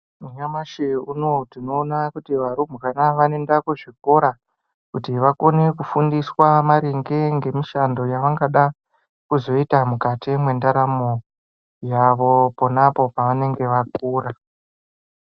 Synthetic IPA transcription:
muɲamaʃeuno̞tino̞ːnakutiʋaɾum̤ukanaʋane̞ndakoʐiko̞ɾa | kutiʋako̞ne̞kufundiswamaɾeŋɡe̞ŋɡe̞miʃando̞jaʋaŋɡaɗa | kuzo̞itamukatimwe̞ndaɾamo | jaʋo̞ponapo̞paʋane̞ŋɡe̞ʋak̚uːɾa

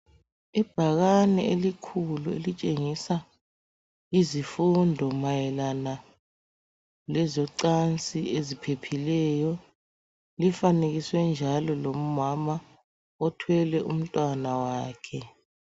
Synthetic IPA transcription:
ib̥ʱaɣanɛelikʰuluḛlit͡ʃʼeŋisa | izifundʱɔmajɛlana | lɛzɔǀant͡sʼiezipʰepʰilɛjɔ | lifaneɣiswɛnd͡ʒʱalɔlom̩mama | ɔtʰwɛlɛʔum̩tʼwanawaːkʰɛ

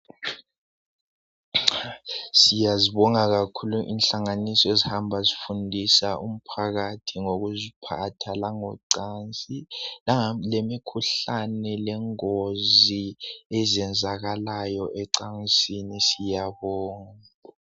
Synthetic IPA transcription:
sijaziβɔŋaɣakʰuluʔḭnɬaŋanisɔezihambʱazifundʱisaʔum̩pʰaɣatʰiŋoɣuzipʰatʰalaŋɔǀant͡sʼilalemikʰuɬanɛlɛŋoziɛzɛnd͡zʱaɣalajɔʔɛǀansʼinisijaβɔːŋa

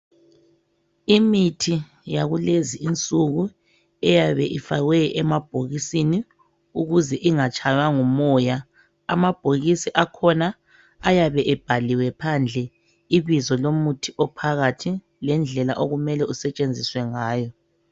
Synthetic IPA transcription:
imitʰi | jaɣuleziint͡sʼuɣu | ɛjaβɛʔifaɣwɛɛmab̥̚ʱoɣisini | uɣuzɛʔiŋat͡ʃʼajaŋumɔja | amab̥ʱoɣisiʔakʰɔnaː | jaβɛʔɛb̥ʱaliwɛpʰand͡ɮʱɛ | iβizɔlomutʰiʔɔpʰaɣatʰi | lɛnd͡ɮʱɛlaʔoɣumɛlɛusɛt͡ʃʼend͡zʱiswɛŋaːjɔ

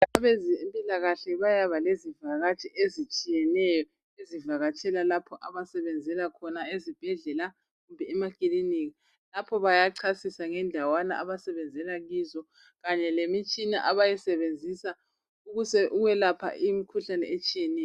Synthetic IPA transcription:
aβezimpʼilaɣaɬɛβajaβalezivaɣat͡ʃʰʼɛʔezit͡ʃʼijɛnɛjɔ | ezivaɣat͡ʃʼʰɛlalapʰɔʔaβasɛβɛnd͡zʱɛlakʰɔnaezib̥ʱɛɮɛla | ɣumbʱɛːmakʼiliniɣi | lapʰɔβajaǀʰasisaŋɛndʱawana̰ʔaβasɛβɛnd͡zʱɛlaɣizɔ | ɣaɲɛlemit͡ʃʼinaʔaβajɛsɛβend͡zʱisa | uɣusɛʔuɣwɛlapʰa̰ʔimikʰuɬanɛ̰ʔet͡ʃʼijɛnɛjɔ

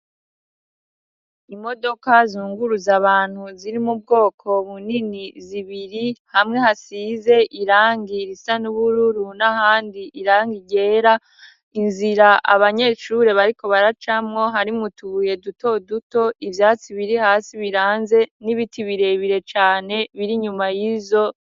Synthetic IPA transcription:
imo̞do̞kazuːŋɡuɾuzaβaːn̥huziɾimub̚ɡo̞ːkʰo̞βuniniziβiɾihamŋe̞hasiːze̞ʔiɾaːŋɡiɾisanuβuɾuɾunahaːndiʔiɾaːŋɡiɟe̞ːɾa | inziɾaʔa̰βaɲe̞ːʃuɾe̞βaɾiko̞βaɾat͡ʃamŋo̞ɦaɾimutuje̞duto̞duto̞ʔivjaːt͡siβiɾihaːsiβiɾaːnze̞niβitʰiβiɾe̞βiɾe̞t͡ʃaːne̞βiɾiɲumajizo̞

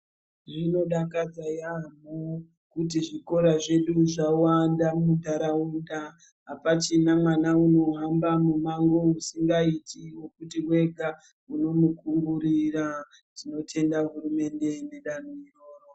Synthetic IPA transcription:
ʐino̞ɗakad͡zajamu | kut̬iʐiko̞ɾaʐe̞ɗuʐawandamundaɾaunda | ɦapat͡ʃinamwanauno̞ɦambamumaŋɡo̞usiŋɡaitʰiwo̞kutiwe̞ɡʱa | uno̞mukumɡuɾira | tino̞tʰe̞ndaɦurume̞nde̞neɗanoiroːro

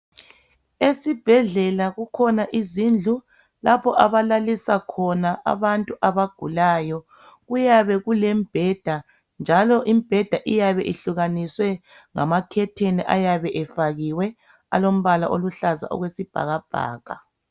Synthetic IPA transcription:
esib̥ʱɛɮɛlaɣukʰɔnaʔizind͡ɮʱu | lapʰɔʔaβalalisakʰɔnaʔa̰βantʼuʔaβaɡ̥ʱulajɔ | ɣujaβɛɣulɛmb̥ʱɛd̥ʱa | nd͡ʒʱalɔʔimb̥ʱɛd̥ʱaʔijaβɛʔiɬuɣaniswɛ | ŋa̰makʰɛtʰeniʔa̰jaβɛʔɛfaɣiwɛ | a̰lom̩βala̰ʔoluɬaza̰ʔɔ̰ɣwesib̥ʱa̰ɣab̥ʱa̰ːɣ̥a̰

